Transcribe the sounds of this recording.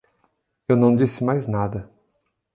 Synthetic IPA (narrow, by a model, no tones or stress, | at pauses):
ewnɐ̃w̃d͡ʒisɪmajznad̪ɐ